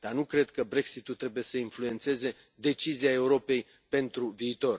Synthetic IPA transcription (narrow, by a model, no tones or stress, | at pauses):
d̪̥arnukɾe̞d̪kəbɾe̞ksit̪ult̪ɾe̞buje̞səinflue̞nt̪se̞ze̞ | d̪e̞t͡ʃiziae̞uɾo̞pe̞j | pe̞nt̪ɾuviːt̪o̞r